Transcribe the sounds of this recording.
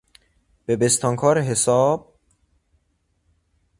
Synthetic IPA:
b̥ebe̞st̪ʰɒːŋkʰɒːɾeɦesɒːb̥̚

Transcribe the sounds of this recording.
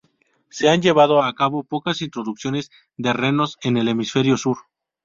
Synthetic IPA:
se̞and͡ʒe̞βaðo̞akaβo̞po̞kasint̪ɾo̞ðuksjo̞ne̞z | d̪e̞re̞no̞se̞ne̞le̞misfe̞ɾjo̞suɾ

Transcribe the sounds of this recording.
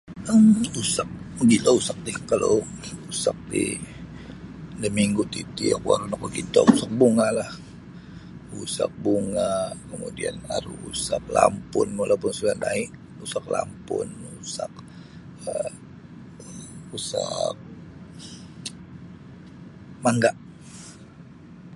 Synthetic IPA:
əmusak̚ɡilausak̚dihkalo | usak̚dḭ | dəmiŋɡʊt̪it̪iakuaɾunakokit̪o̰usak̚buŋalah | usak̚buŋakəmudianaɾuusak̚lampʊnalapʊnsuɡadaiʔ | usaklampʊnusak̚ | ə | usak̚ | maŋɡaʔ

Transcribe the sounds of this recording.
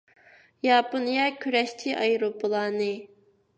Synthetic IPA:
jɑːponijɑkʲʰyɾɛʃt͡ʃʰiʔɑjɾopʰəlˠɑːnɨ

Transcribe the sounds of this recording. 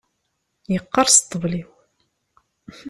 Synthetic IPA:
jəqːɑɾˤst̪ˤːəvliw

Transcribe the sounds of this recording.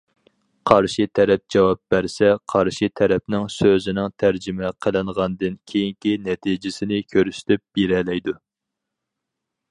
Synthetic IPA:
qʰɑɾʃit̪ʰɛɾɛp̚d͡ʒɑwɑp̚b̥æɾsɛqʰɑɾʃit̪ʰɛɾɛpnɪŋsøzɪnɪŋt̪ʰæɾd͡ʒɪmɛqʰəlˠɨɴʁɑnd̪ɨnkʲʰejiŋkʲinɛt̪ʰid͡ʒɪsɪnɪkʲʰøɾyst̪ɪp̚b̥eɾɛlɛjd̪u

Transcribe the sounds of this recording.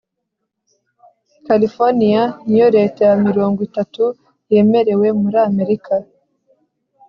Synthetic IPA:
kalifoɾnijanijo̞ɾe̞ːtajamiɾo̞ːŋɡwitatu | je̞ːme̞ɾe̞we̞muɾaːme̞ɾikʰa

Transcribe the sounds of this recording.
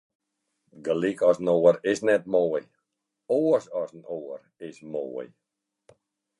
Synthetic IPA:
ɡəlikɔsnoːərɪsnɛt̚moːəj | oəsɔsnoːər | ɪsmoːə̰j

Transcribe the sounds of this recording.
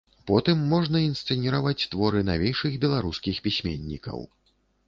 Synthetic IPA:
pɔt̪ɨmːɔʐnɐinst̪sɛnʲiɾavat͡sʲt̪vɔɾɨnavʲejʂɨɣbʲɛlˠaɾuskʲixpʲisʲmʲḛnʲːḭkɐ̰w

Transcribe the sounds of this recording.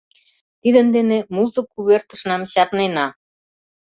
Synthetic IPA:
t̪id̪ə̆nd̪enemuzə̆kuβert̪ə̥̆ʃnɑmɕɑt̪nenɑ

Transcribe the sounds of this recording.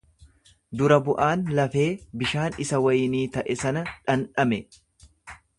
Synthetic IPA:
d̪ʊɾɐbʊʔaːnlɐfe̞ːbɪʃaːnɪsɐwɐjniːt̪ɐʔɛsɐnɐᶑɐnᶑɐmɛ

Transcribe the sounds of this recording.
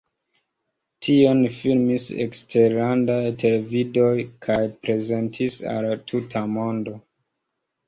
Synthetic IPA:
tʰio̞nfilmisḛkste̞ɾlandajtʰe̞le̞vido̞jkʰajpɾe̞ze̞ntʰisa̰ltʰutʰamo̞ndo̞

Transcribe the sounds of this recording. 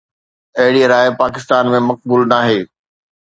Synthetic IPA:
ɐɦɪɽiɾaːɪpaːkɪst̪aːnmẽmɐk̚buːlnaːɦeː

